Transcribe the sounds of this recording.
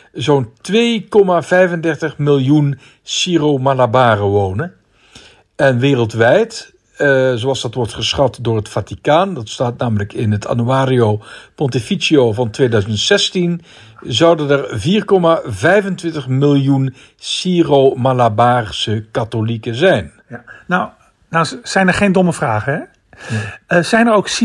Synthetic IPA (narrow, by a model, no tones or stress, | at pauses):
zowntʋeːkɔmaːvɛjvəndɛrtəχmɪlˠjun | siːromalabaːrəʋownə | ɛnʋeːrəlˠtʋɛjt | zoɑlˠzdɑtʋɔɹtχəsχɑtdʊːɹɦətfatikaːndɑtstaːtnaːmələkɪnɦətʰa̰nyaːɾiowpɔntifisiovɑntʋeːdœɥzəntsɛstin | zɑwdənərviːrkɔmavɛjvəntʋɪntəχmɪlˠjun | siːromalabaːrsəkatolikəzɛjn | naw | nasɛjnəɹχejndɔməvraːχəɛ | zɛjnəɹowks